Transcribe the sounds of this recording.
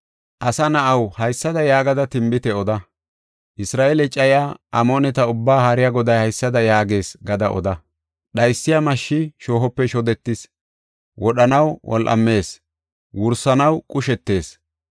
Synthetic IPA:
ʔɐsɐnɐʔɐwhɐjsːɐd̪ɐjaːɡɐd̪ɐt̪ɪmbɪt̪ɛɔd̪ɐ | ʔɪsɾaːʔelɛt͡ʃʼːɐjaːɐmoːnɛt̪ɐʊbːaːhɐɾɪjaɡɔd̪ɐjhɐjsːɐd̪ɐjaːɡe̞ːsɡɐd̪ɐʔɔ̰d̪ɐ | ɗɐjsːɪjamɐʃːɪʃoːɦɔpːɛʃɔd̪ɛt̪ːɪs | wɔɗɐnɐwwʔɔ̰lʔɐ̰mːe̞ːs | wʊɾsɐnɐwkʼʊʃɛt̪ːe̞ːs

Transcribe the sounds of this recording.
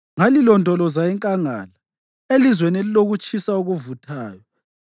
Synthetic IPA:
ŋalilɔndʱɔlɔzaiŋkʼaŋa̰ːla | elizwenɛliloɣut͡ʃʼisauɣuvutʰaːjɔ

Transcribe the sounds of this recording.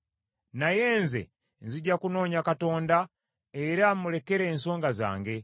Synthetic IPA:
najeːnzḛ | nziɟakuno̞ːɲakato̞ːnda | eɾamule̞ke̞ɾeːnso̞ːŋɡaza̰ːŋɡe̞

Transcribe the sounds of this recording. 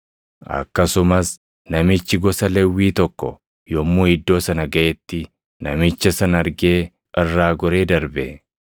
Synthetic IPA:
ʔɐ̰kːɐsʊmɐs | nɐmɪt͡ʃːɪɡɔsɐlɛwːiːt̪ɔkːɔ | jɔmːuːɪd̪ːo̞ːsɐnɐɡɐʔɛt̪ːɪ | nɐmɪt͡ʃːɐsɐnɐɾɡe̞ː | ʔɪrːaːɡɔɾe̞ːd̪ɐɾbɛ

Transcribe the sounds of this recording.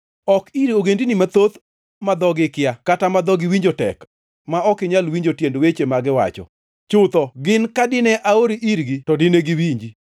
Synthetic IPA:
ɔkiɾioɡendinimat̪ot̪ | mad̪ɔɡɪkjakatamad̪ɔɡɪwiɲd͡ʒotɛ̰k | maɔkɪɲalwiɲd͡ʒotjendwet͡ʃemaɡɪwa̰t͡ʃɔ̰ | t͡ʃʊt̪ɔɡɪnkadɪnɛʔaoɾiʔiɾɡitɔdɪneɡiwiɲd͡ʒi

